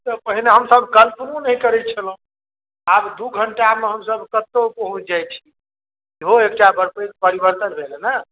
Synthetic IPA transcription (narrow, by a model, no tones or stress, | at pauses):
t̪əpəɦineɦəmsəbʱkəlpnunəɦikəɾɛt̪t͡ʃʰələ | abd̪uɡʱəɳʈameɦəmsəbʱkət̪ːopəɦũd͡ʒajt͡ʃʰi̥ | kiɦoek̚ʈabəɾpekpəɾibəɾt̪ənbʱelənə